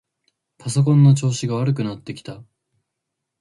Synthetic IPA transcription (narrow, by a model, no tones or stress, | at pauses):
paso̞k̬õ̞nːo̞t͡ɕo̞ːɕiɡaβ̞aɾɯ̟kɯ̟nat̪ːe̞kʲi̥t̪a